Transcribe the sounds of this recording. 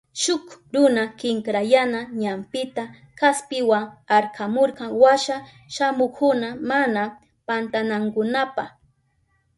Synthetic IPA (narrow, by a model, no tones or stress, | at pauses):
ʃʊkɾʊnakɪŋkɾajanaɲampɪt̪a | kaspɪwaŋaɾkʰamoɾkɑŋwaʃa | ʃamʊkʰʊnamana | pant̪anaŋkʊnapa̰χ